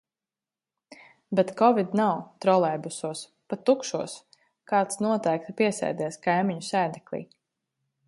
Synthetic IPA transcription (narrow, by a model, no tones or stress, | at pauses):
bet̪kɔvid̪nawt̪ɾɔlˠɛjbusuɔs | pat̪ːukʃuɔs | kaːt̪snuɔt̪ɛjkt̪piɛsɛ̰jd̪ɛːskajmiɲusæːd̪ɛklʲˠḭː